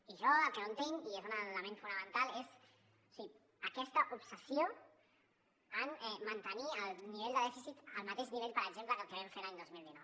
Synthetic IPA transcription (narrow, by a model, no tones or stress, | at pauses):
iʒɔəlˠkəont̪eŋiezunələmẽnfunəmə̃nt̪alez | usi | əkɛst̪əʔupsəsjo | ənɛmənt̪əniəlˠniβeʎd̪əðɛfisit̪əlˠmət̪eʒniβeʎpəɾəɡʒempləkəlkəβɛɱfeɾaɲd̪ozmilˠd̪inɔw